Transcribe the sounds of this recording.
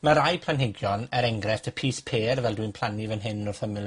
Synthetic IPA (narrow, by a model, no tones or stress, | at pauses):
maɾajpʰl̥ˠanɦɪɡjɔnɛɾɛŋɡrɛθtʰəpʰiːspʰeːrvɛlˠdwinpʰl̥ˠanivənɦɪnɔrθəmɪ